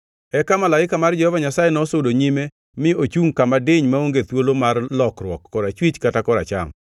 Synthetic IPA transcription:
ɛkamalaɪkamard͡ʒɛhɔvaɲasajenɔsodoɲime | mɪot͡ʃuŋkamadɪɲmaoŋɡet̪wolomarlɔkrwɔkːɔɾat͡ʃwit͡ʃkatakɔɾa̰t͡ʃa̰ŋ

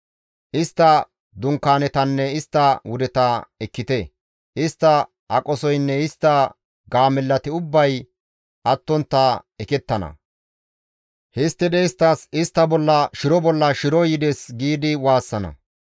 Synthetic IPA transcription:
ʔɪst̪ːɐ | d̪ʊŋkːaːnɛt̪ɐnːɛɪst̪ːɐwʊd̪ɛt̪ɐɛkːɪt̪ɛ | ʔɪst̪ːɐ | ʔɐkʼɔsɔjnːɛɪst̪ːɐ | ɡaːmɛlːɐt̪ɪʊbːɐj | ʔɐt̪ːɔnt̪ːɐɛkɛt̪ːɐnɐ̰ | hɪst̪ːɪd̪ɛɪst̪ːɐsɪst̪ːɐbɔlːɐʃɪɾɔbɔlːɐʃɪɾɔjɪd̪ɛsɡiːd̪ɪwaːsːɐnɐ̰

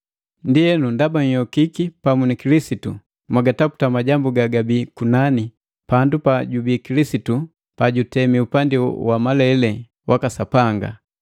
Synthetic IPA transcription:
ndiɛnundabaɲ̩jɔkikipamunikilisitṵ | mwaɡatapu̥tamaɟambuɡaɡabikunani | pandupaɟubikilisitu | paɟutɛmiupandiwamalɛlɛ | wʔakasapaŋɡa̰

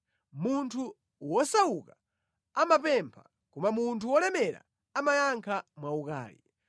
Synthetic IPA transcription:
muntʰu | wɔsawuka | amapɛmpʰa | kumamuntʰuwɔlɛmɛɾa̰ | amajaŋkʰamwauka̰ːlḭ

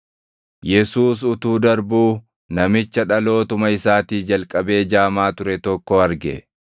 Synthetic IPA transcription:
jɛsuːs̬ʊt̪uːd̪ɐɾbuː | nɐmɪt͡ʃːɐᶑɐlo̞ːt̪ʊmɐɪsaːt̪iːd͡ʒɐlkʼɐbe̞ːd͡ʒaːmaːt̪ʊɾɛt̪ɔkːɔɐɾɡɛ̰

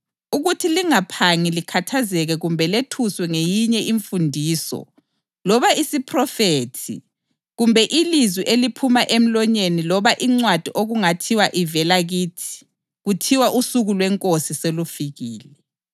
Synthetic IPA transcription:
uɣutʰiliŋapʰaŋilikʰatʰazɛɣɛɣumbʱɛletʰuswɛŋejiɲɛʔiɱfundʱiːsɔ̰ | lɔβaisipʰrɔfeːtʰḭ | ɣumbʱɛʔilizwiʔelipʰumaʔem̩lɔɲenilɔβaʔiŋ͡ǀwad̥ʱiʔoɣuŋatʰiwaʔivɛlaɣiːtʰi̥ | ɣutʰiwaʔusuɣulwɛŋkʼosiselufiɣiːlɛ

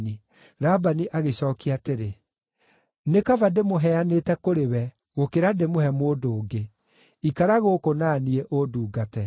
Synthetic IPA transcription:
ni | ɾabaniʔaɣeɕɔːkiaːteɾe | nekavademoɦɛanetɛkoɾewɛ | ɣokeɾademohɛmoːdoːɡe | ikaɾaɣokonaniɛʔoduːɡatɛ

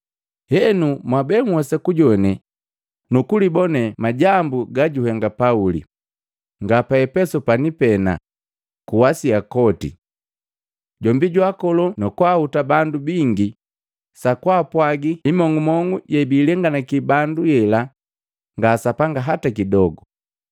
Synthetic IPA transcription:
hɛnumwabɛŋwɔsɛkuɟɔnɛ | nukulibɔnɛmaɟambuɡaɟuhɛŋɡapaulḭ | ŋɡapaɛpɛsɔpanipɛna̰ | kuwasiakɔtḭ | ɟɔmbiɟwakɔlɔnɔkwahutabandubiŋɡi | sakwaːpwaɡiimɔŋɡumɔŋɡuɟɛbiːlɛŋɡanakibandujɛla | ŋɡasapaŋɡaɦatakidɔɡu

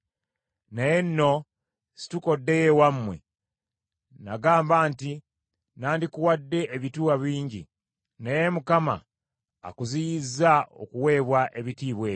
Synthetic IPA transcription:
najenːo̞ | si̥tuko̞dːe̞jewamːwe̞̰ | naɡaːmbaːnti | naːndikuwadːe̞ʔːβituwaβiːɲɟḭ | najemukama̰ː | kuzijizao̰kuwe̞ːβwaʔe̞βitiːβwe̞ː

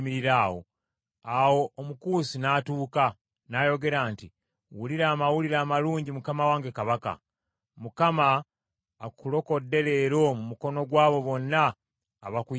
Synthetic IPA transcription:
miɾiɾaːwo̰ | awo̞ːmukuːsinaːtuːka | naːjo̞ɡe̞ɾaːnti | wuliɾaːmawuliɾaːmaluːɲɟimukamawaːŋɡe̞kaβaka̰ | mukamaː | kulo̞ko̞dːe̞le̞ːɾo̞mumuko̞no̞ɡwaːβo̞βo̞nːaː | βaku

